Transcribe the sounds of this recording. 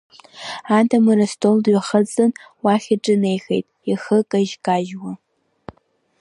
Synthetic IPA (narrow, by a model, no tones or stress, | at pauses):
aːdɐmɨrɐstʰoldɥɛχɐt͡sʼɨn | waχʲɐʈ͡ʂʼɨnejxejtʼixɨkʼɐʒkʼaːʒwɐ